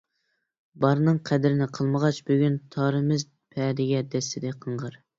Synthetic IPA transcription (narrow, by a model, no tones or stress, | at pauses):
bɑɾnɨŋqʰɛd̪ɪɾɪnɪqʰəlˠməʁɑt͡ʃbyɡʲynt̪ʰɑɾɨmɪz | pʰɛd̪ɪɡʲɛd̪ɛst̪ɪd̪ɛqʰəɴʁəɾ